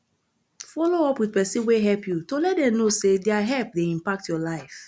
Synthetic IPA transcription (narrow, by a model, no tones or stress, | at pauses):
fɔloɔpwiðpɛsĩnweɦɛlpjutolɛt̚dɛ̃mnosedɛaɦɛlp̚deĩmpak̚tjɔlaɪf